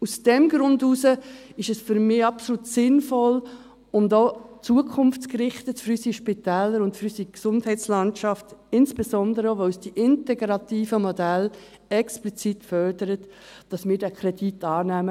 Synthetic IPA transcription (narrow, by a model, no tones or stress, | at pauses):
usd̥ɛmɡɾʊnduːsəɪʃɛsfʏɾmɪːɑpsolutsɪnfɔl | ʊmdɔːt͡suəkʰʊmft͡skrɪχtətføɾysiʃpitɛːlːəɾʊntfɾysiksʊndhɛɪt͡slɑntt͡ʃɑftɪnsb̥ezɔndəɾəoʋoysd̥iʔɪntɛɡɾɑtiːfəmɔdæl | ɛksplit͡sitfœrdəɾətd̥ɑsmɪːɾdækʰɾɛditɑːnæːmə